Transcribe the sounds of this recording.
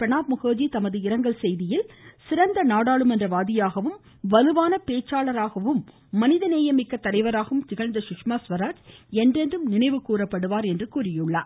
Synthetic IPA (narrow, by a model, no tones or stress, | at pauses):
pɛɳaːpmʊɣoːd͡ʒit̪ɐmɐðɯɪɾɐŋɡɐɭsɛjðɪjɪlsɪɾɐnd̪ɐnaːɽaːɭɯmɛndrɐʋaːðɪjaːɣɐʋɯm | ʋɐlɯʋaːnɐpeːt͡ʃːaːɭɐɾaːɣɐʋɯmː | ɐnɪðɐneːjɐmɪkːɐt̪ːɐɾɐɪʋɐɾaːɣɐɯmt̪ɪɣɐɻnd̪ɐʃʊkʂmaːsʋɐɾaːd͡ʒɛndrɛndrɯmnɪnɐɪʋɯkuːɾɐpːɐɽɯʋaːɾɛndrɯkuːrɪjɯɭːaː